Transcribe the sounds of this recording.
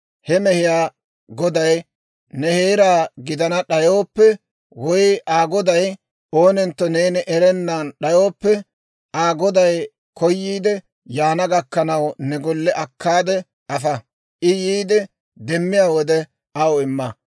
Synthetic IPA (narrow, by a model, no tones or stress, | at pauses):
hɛmɛhɪjaː | ɡɔd̪ɐj | nɛheːɾaːɡɪd̪ɐnɐɗɐjo̞ːpːɛ | wɔjɪʔaːɡɔd̪ɐj | oːnɪnt̪ːɔne̞ːnɪʔɛɾɛnːaːnɗɐjo̞ːpːɛ | ʔaːɡɔd̪ɐj | kʰɔjːiːd̪ɛ | jaːnɐɡɐkːɐnɐwnɛɡɔlːɛʔɐkʰːaːd̪ɛ | ɐfɐ | ʔɪjiːd̪ɛ | d̪ɛmːɪjaːwɔd̪ɛ | ɐwɪmːɐ